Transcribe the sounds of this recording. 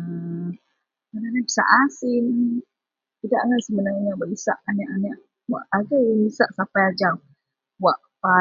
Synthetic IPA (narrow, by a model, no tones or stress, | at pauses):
ə | kadanabəsa̰ʔasin | t̪idaʔaŋansəmənaŋɲawaʔisa̰ʔanaʔanaʔ | wa̰ʔaɡamisaʔsapajad͡ʒaw | waʔ | pa